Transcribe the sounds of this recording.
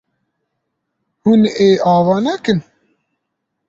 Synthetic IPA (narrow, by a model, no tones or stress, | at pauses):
huneːʔɑːvɑːnɛkɨn